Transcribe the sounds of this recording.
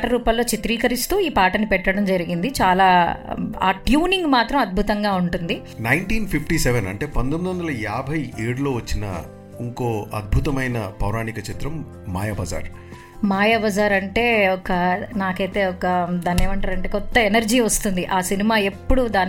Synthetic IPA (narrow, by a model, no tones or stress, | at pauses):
ʈɐɾuːpɐlːo̞ːt͡ʃit̪ɾilkɐɾist̪uːiːpaːʈɐnːipɛʈːɐɽɐmd͡ʒɐɾiɡind̪it͡ʃaːlaːa̰ːʈjuːniŋɡmaːt̪ɾɐmɐd̪̚bʱut̪ɐŋɡaːuɳʈund̪i | nɐjɳʈiːnpʰipʰʈiːseʋenɐ̰ɳʈe̞ːpɐnd̪omid̪uʋɐnd̪ɐlɐjaːbʱɐjeːɽulo̞ːʋɐt͡ʃːinɐ̰ | iŋko̞ːɐ̰d̪̚bʱut̪ɐmɐjnɐpɐwɾaːnikɐt͡ʃit̪ɾɐmː | a̰ːjɐbɐza̰ːɾ | maːjɐbɐzaːɾɐɳʈe̞ːɔkɐnaːkɐjt̪e̞ːɔkɐd̪aːne̞ːmɐɳʈaːɾɐɳʈeːkɔt̪ːɐenɐɾd͡ʒiːʋɐst̪und̪iʔaːsinimaːe̞pːuɽud̪aːn